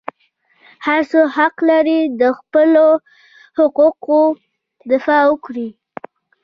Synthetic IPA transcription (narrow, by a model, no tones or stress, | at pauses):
haɾsohaqlaɾid̪əxpəlo | hʊquqo | d̪ɪfɑwəkɽi